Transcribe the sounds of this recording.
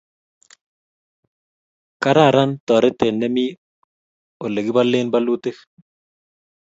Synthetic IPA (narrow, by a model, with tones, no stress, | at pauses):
ka˦ɾa˦˨ɾa˦nt̪ɔ˨ɾɛ˦t̪e˨nːɛ˦mi˦ | o˨le˨ɡi˦ba˦le˦nba˦lu˦t̪ɪ˦x